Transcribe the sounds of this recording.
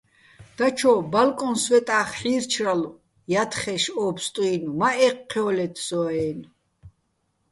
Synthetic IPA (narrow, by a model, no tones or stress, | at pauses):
d̪̥at͡ʃʰɔbalkʼɔnswɛt̪ʼaːχħiːrt͡ʃʰralu | jat̪ʰχɛʃɔːpst̪ʼuinumaʔɛqʰːɛɔlɛt̪ʰsɔɛːn